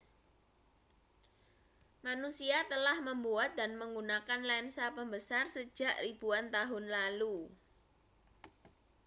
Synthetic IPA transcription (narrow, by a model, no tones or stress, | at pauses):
manusiat̪əlahməmbuat̪̚danməŋɡunakanlansapəmbəsarsə̥d͡ʒ̥a̤ʔrib̥uant̪aɦʊnlalu